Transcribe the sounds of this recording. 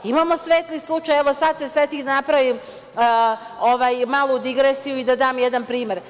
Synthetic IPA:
imaːmo̞sʋe̞ːt̪lislˠut͡ʃajɛʋosad̪seset̪iːxd̪anapɾaʋiːm | oʋajmaːlˠod̪iɡɾeːsijuid̪ad̪aːmjɛd̪anpɾiːme̞ɾ

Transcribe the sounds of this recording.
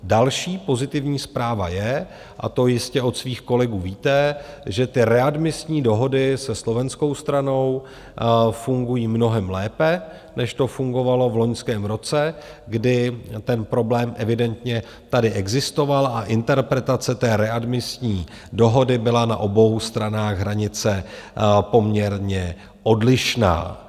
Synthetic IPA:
dalʃiːpo̞zɪt̪ɪvɲiːspɾaːva̰jɛ | ʔa̰t̪o̞jɪscɛo̞t̪sviːxko̞lɛɡuːviːt̪ɛʒɛt̪ɪɾɛadmɪsɲiːdo̞ɦo̞dɪsɛslo̞vɛnsko̞wst̪ɾano̞w | fuŋɡujiːmno̞ɦɛmlɛːpɛ | nɛʃt̪o̞fuŋɡo̞valo̞vlo̞ɲskɛːmɾo̞t͡sɛ | ɡdɪt̪ɛnpɾo̞blɛːmʔɛvɪdɛnt̪ɲɛ | t̪adɪʔɛɡzɪst̪o̞valaʔɪnt̪ɛɾpɾɛt̪at͡sɛt̪ɛːɾɛadmɪsɲiː | do̞ɦo̞dɪbɪlana̰ʔo̞bo̞wst̪ɾanaːɣɦɾaɲɪt͡sɛ | po̞mɲɛɾɲɛ | ʔo̞dlɪʃna̰ː

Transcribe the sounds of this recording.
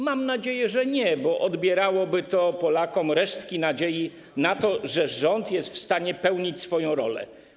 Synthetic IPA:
mamnad͡ʑejɛʐɛɲɛbɔʔɔd̪bʲjɛɾawɔbɘt̪ɔpɔlakɔmɾɛʂt̪kʲinad͡ʑeji | nat̪ɔʐɛʐɔnt̪jɛst̪fst̪aɲɛpɛwɲit͡ɕsfɔjɔ̃w̃ɾɔ̰lɛ̰

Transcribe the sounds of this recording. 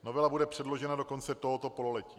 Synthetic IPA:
no̞vɛlabudɛpr̝̥ɛdlo̞ʒɛnadoko̞nt͡sɛt̪oɦo̞t̪o̞polo̞lɛciː

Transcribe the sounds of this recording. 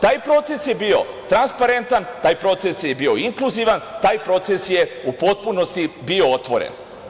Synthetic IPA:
t̪aːjpɾo̞t̪se̞sje̞bio̞̰ | t̪ɾanspaɾe̞nt̪ant̪aːjpɾo̞t̪se̞sjebio̞iŋklˠuziʋant̪aːjpɾo̞t̪se̞sje̞upo̞t̪̚puno̞st̪ibio̞ot̪ʋo̞̰ɾḛn

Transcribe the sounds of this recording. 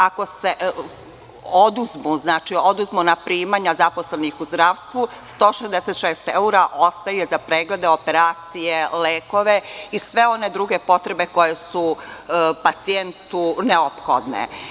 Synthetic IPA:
ako̞se | o̞d̪uzmuznaːt͡ʃio̞d̪uzmunapɾiːmaːɲazapo̞slenixuzd̪ɾaʋst̪ʋu | st̪o̞ːʃezd̪eset̪ʃeːst̪euɾaʔost̪ajezapɾeːɡled̪eo̞peɾaːt̪sijeleːko̞ʋeisʋe̞o̞ne̞d̪ɾuɡe̞po̞t̪ɾe̞be̞ko̞jesu | pat̪sient̪uneopxo̰d̪nḛ

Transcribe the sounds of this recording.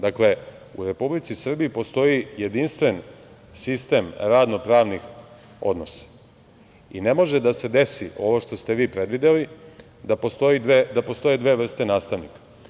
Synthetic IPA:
d̪akle̞ | ṵɾe̞publit̪sisr̩bijːpo̞st̪o̞jije̞d̪inst̪ʋe̞n | sist̪e̞mɾad̪no̞pɾaːʋnix | o̞̰d̪no̞sḁ | ine̞mo̞ʒe̞d̪ase̞d̪e̞sio̞ʋoʃt̪o̞st̪e̞ʋiːpɾe̞d̪ʋid̪eli | d̪apo̞st̪o̞jid̪ʋed̪apo̞st̪o̞jed̪ʋe̞ʋr̩st̪enaːst̪aʋnikḁ

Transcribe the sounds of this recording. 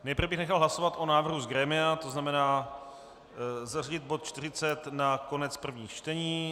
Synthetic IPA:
nɛjpr̩vɛbɪxnɛxalˠɦlasovat̪ʔo̞naːvr̩ɦuzɡɾɛːmɪat̪o̞znamɛnaː | zariɟɪt̪̚bo̞t̪̚t͡ʃt̪ɪrɪt͡sɛt̪nako̞nɛt͡spr̩vɲiːxt͡ʃt̪ɛɲiː

